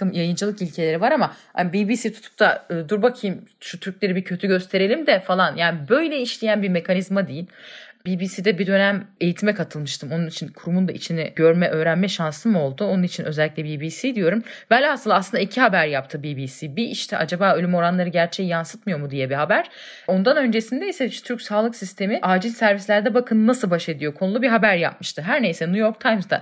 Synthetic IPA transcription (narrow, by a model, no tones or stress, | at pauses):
ɯmjajɯnd͡ʒɯlˠɯkilʲcʰe̞lʲe̞ɾivaɾamaha̰biːbiːsit̪ʰu̥t̪ʰu̥p̚t̪ʰaɯːd̪uɾbakʰɯjɯmʃut̪ʰyɾc̚lʲe̞ɾibicʰø̞t̪ʰyɟø̞st̪ʰe̞ɾe̞lʲimd̪ɛfalˠanjaːnibø̞jlʲɛiʃlʲijænbiɾme̞kʰanizmad̪ejilʲbiːbiːsiːd̪ɛbid̪ø̞næme̞jit̪ʰimɛkʰat̪ʰɯlˠmɯʃt̪ʰɯmonunit͡ʃʰinkʰuɾumund̪aʔit͡ʃʰinɛɟø̞ɾmɛʔø̞ːɾænmɛʃansɯmo̞lˠd̪uonunit͡ʃʰinʔøzɛlʲːiclʲɛbiːbiːsiːd̪ijo̞ɾumvælːʲasɯlˠaslˠɯnd̪aicʰihabæɾjap̚t̪ʰɯbiːbiːsiːbiʔiʃt̪ʰɛʔad͡ʒabaːølʲymo̞ɾanlˠaɾɯɟæɾt͡ʃʰɛjijansɯt̪mɯjo̞ɾmud̪ijɛbiɦabæɾ̥ | o̞nd̪anø̞nd͡ʒe̞sind̪ejisɛiʃɛt̪ʰyɾcʲsaːlˠɯksist̪ʰe̞miʔaːd͡ʒilʲsæɾvislʲæɾd̪ɛbakʰɯnɯnasɯlˠbaʃe̞d̪ijo̞kʰo̞nulˠubiɦabæɾja̰p̚mɯʃt̪ʰɯɦæɾne̞jsɛnujo̞ɾkt̪ʰajmzd̪a̰